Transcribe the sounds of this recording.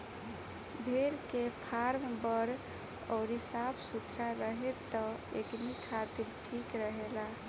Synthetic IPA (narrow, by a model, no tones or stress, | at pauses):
bʱeɾkepʰaɾmbəɾ | ɔ̰ʊɾɦisabsut̪ɾaɾəɦet̪ːɔeknikʰat̪iɾʈʰikɾəɦela